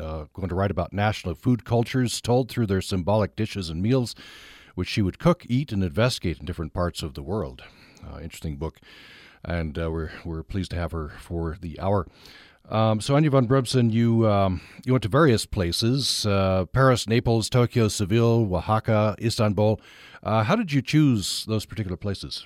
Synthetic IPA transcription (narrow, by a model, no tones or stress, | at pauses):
ɡ̥oʊɪ̃ŋtʰɨɹaɪɾəbaʊtⁿnæʃnl̩ˠfʉd̚kʰʌlˠt͡ʃə˞z̥tʰoʊlˠd̪̚θɹʉðə˞sɨ̃mbɑlˠək̚d̥ɪʃɨzɨ̃nmilˠz̥wɨt͡ʃʃiwɨd̚kʰʊkʰiɾɨ̃nɨ̃ɱvɛstɨɡeɪɾn̩dɪfɹɨ̃npʰɑɹtsʌvðəwɜ˞lˠd̥ɪ̃nt͡ʃɹ̥ɨ̥stɪ̃ŋbʊkʔɨ̃nwɪwɪɹpʰl̥iz̥tʰɨːv̥ə˞fə˞ðiʔa̰ʊə˞ | soʊæ̃njɨvɑ̃nbɹɛbsɨ̃njɨ | jɨwɛ̃ntɨvɛɹiɨspʰl̥eɪsɪz̥pʰɛɹɨsneɪpl̩ˠz̥tʰoʊkioʊsɨvɪlˠwəhɑkəʔistə̃nbulˠ | ʔɦaʊɾɨd͡ʒɨt͡ʃʰʉz̥ðoʊz̥pʰə˞tʰɪkjl̩ˠə˞pʰl̥eɪsɨz̥